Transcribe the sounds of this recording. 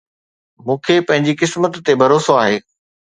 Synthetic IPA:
mũːkʰepɐ̃ɦɪ̃ɲd͡ʑikɪsmət̪ːebʱɐɾoːsoaːɦeː

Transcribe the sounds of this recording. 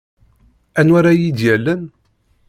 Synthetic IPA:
ænwaɾajid̪jælːən

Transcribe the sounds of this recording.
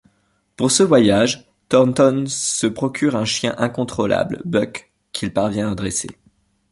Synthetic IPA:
puʁsəvwajaʒ | t̪ɔʁnt̪ɔnsəpχɔkʲʰyʁɛ̃ʃjɛ̃ʔɛ̃kɔ̃t̪χɔlʔa̰blbœkːʰ | ilpaʁvjɛ̃ad̪ʁesḛ

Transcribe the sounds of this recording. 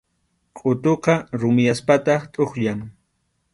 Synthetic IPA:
qʼʊt̪oqɑɾʊmɪjaspat̪ɑχt̪ʼoχʎaŋ

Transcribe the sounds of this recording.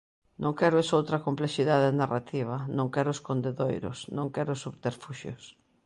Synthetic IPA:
nõŋkɛɾoesowt̪ɾɐkompleʃiðaðenarat̪iβ̞ɐnõŋkɛɾʊoskond̪eðojɾo̰snõŋkɛɾʊsuβt̪eɾfuʃjo̰s

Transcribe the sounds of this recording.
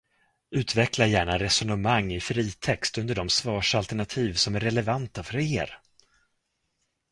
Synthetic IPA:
ʉ̟ːt̪vɛklaɾjæːɳaɾɛsɔnəmaŋːɪfɾiːt̪ʰɛkst̪ɵnd̪əɖɔmsvɑːʂalt̪ɛɳat̪ʰiːvsɔmæɾɛlɛvant̪afœɾeːɾ

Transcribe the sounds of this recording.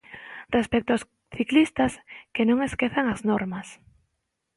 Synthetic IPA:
respek̚t̪ʊas | θiklist̪ɐskenõŋeskeθeŋɐznoɾmɐs

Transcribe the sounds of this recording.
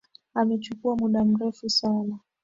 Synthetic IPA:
amɛt͡ʃukuamuɗam̩ɾɛfusana

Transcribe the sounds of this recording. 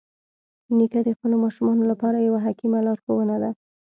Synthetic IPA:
nikad̪əxpəlomɑʃumɑnolapɑɾajawaɦakimalɑɾxowənad̪a

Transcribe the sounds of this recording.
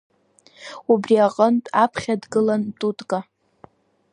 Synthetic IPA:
ubriaqʼəntʼapʰχʲadɡɨlantʼutʼkʼa

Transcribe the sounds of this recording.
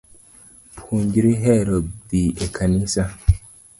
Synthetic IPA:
pʰuɲɟiɾiɦeɾoddiekʰanisa

